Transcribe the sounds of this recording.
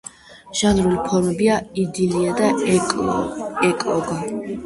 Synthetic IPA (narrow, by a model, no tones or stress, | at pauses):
ʒ̥anɾulipʰɔɾmɛbiaid̪iliad̪a | ɛkʼlɔɡa